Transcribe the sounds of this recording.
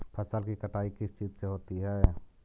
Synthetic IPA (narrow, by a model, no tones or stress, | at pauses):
pʰəsəlkikəʈaːikɪst͡ʃiːd͡ʒseɦoːt̪iɦɛː